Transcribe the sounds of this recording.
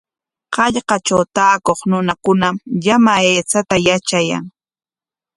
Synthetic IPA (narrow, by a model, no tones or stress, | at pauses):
qɑʎqɑt͡ʃawt̪aːkoχnʊnakʊnamʎamaeːt͡sat̪ajat͡ʃaja̰ŋ